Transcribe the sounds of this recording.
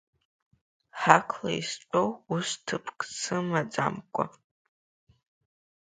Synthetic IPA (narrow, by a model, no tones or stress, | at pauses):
ħakʰla̰isʈ͡ʂʷʼowustʰɨpʰkʼt͡sʰɨmad͡za̰mkʷʼa̰